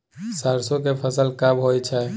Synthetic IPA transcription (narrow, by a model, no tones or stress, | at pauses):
saɾsõkepʰəsəlkabɦojt͡ʃʰɛ